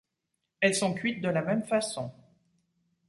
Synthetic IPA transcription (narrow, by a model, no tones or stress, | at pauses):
ɛlsɔ̃kɥit̪̚d̪əlamɛmfasɔ̃